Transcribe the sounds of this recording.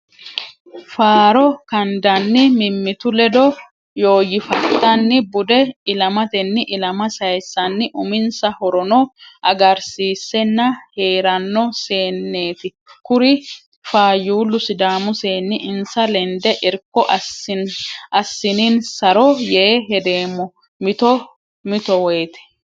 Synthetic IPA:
faːɾɔkɐnd̪ɐnːɪmɪmːɪt̪ʊlɛd̪ɔ | jo̞ːjɪfɐt̪ːɐnːɪbʊd̪ɛɪlɐmɐt̪ɛnːɪʔɪlɐmɐsɐjsːɐnːɪʔʊmɪnsɐhɔɾɔnɔʔɐɡɐɾsiːsːɛnːɐhe̞ːɾɐnːɔse̞ːnːe̞ːt̪ɪ | kʊɾɪ | faːjuːlːʊsɪd̪aːmʊseːnːɪʔɪnsɐlɛnd̪ɛʔɪɾkːɔʔ | ʔɐsːɪninsɐɾɔjeːɦɛd̪e̞ːmːɔ | mɪt̪ɔ | mɪt̪ɔwɔjt̪ɛ̥

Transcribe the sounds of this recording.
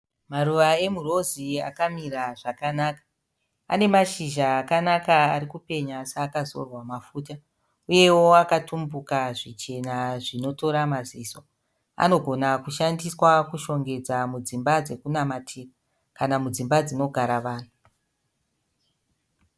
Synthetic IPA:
maruʋae̞muro̞zia̰kamiɾaʐakanaːkḁ | a̰ne̞maʃiʒaːkanakaaɾikupe̞ɲasaːkazo̞̰rwamafuːta | uje̞wo̞akatumbukaʐit͡ʃe̞naʐino̞to̞ɾamaziso | a̰no̞ɡʱo̞nakuʃandiswakuʃo̞ŋɡe̞d͡zamud͡zimbad͡ze̞kunamatʰiːra | kanamud͡zimbad͡zino̞ɡʱaɾaʋaːnu

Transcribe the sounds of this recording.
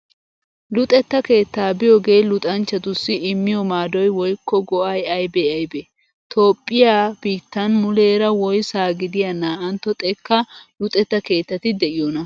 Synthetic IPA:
lʊt̪ʼɛt̪ːɐke̞ːt̪ːaːbɪjoɡe̞ːlʊt̪ʼɐnt͡ʃːɐt̪ʊsːɪɪmːɪjɔmaːd̪ɔjwɔjkːɔɡɔʔɐjɐjbeɐjbɛ | t̪ʰo̞ːpʼːɪjaːb̥iːt̪ːɐnmʊleːɾɐwɔjsaːɡɪd̪ɪjɐnaːʔɐnt̪ːɔt̪ʼɛkːɐlʊt̪ʼɛt̪ːɐke̞ːt̪ːɐt̪ɪd̪ɛʔɪjonɐ

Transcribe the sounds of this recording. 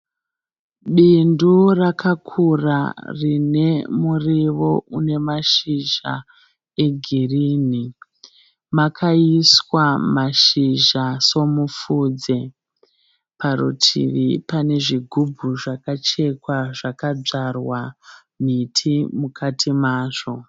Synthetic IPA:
ɓindurakʰakʰura̰rine̞muriʋo̞une̞maʃiʒa̰ | e̞ɡʱiriːni | makʰaiswamaʃiʒaso̞mufuːd͡ze | paɾṵtʰḭʋipane̞ʐiɡʱubʱuʐakat͡ʃe̞kwaʐakad͡ʐarwa | m̤itʰimukʰatʰimaːʐo̞

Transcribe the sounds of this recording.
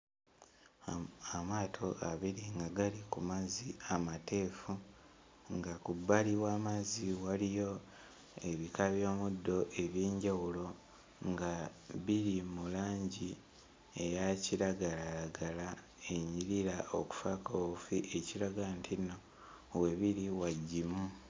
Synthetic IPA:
amaːtʰo̞ʔaβiɾiŋɡaɡalikumaziamatʰe̞ːfu | ŋɡakubːaliwaːmaziwalijo̞ | e̞βikaβjo̞ːmudːo̞ʔe̞βjeːɲɟawulo̞ | ŋɡaβiɾimulaːɲɟi | ejaciɾaɡalaɾaɡala | e̞ɲiɾiɾaoku̥fakaofiʔe̞ciɾaɡantʰino̞ | we̞βiɾiwaɟːimu

